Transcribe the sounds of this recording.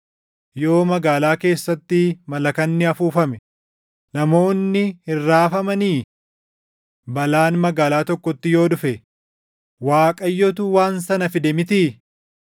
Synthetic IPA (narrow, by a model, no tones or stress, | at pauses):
jo̞ːmɐɡaːlaːke̞ːsːɐt̪ːɪmɐlɐkɐnːɪɐfuːfɐmɛ | nɐmo̞ːnːɪhɪrːaːfɐmɐniː | bɐlaːnmɐɡaːlaːt̪ɔkːɔt̪ːɪjo̞ːᶑʊfɛ | waːkʼɐjːɔt̪uwaːnsɐnɐfɪd̪ɛmɪt̪i